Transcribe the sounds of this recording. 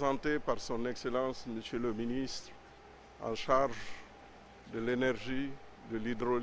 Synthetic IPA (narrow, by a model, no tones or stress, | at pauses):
zɑ̃t̪epaʁsɔ̃nɛkselɑ̃sməsjələminist̪ɾ | ɑ̰̃ʃaʁʒ | d̪əlenɛʁʒi | d̪əlid̪ɾol